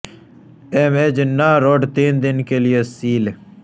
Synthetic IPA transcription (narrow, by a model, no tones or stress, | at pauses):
emed͡ʑnaːɾoɖt̪iːnd̪ɪnkelijesiːl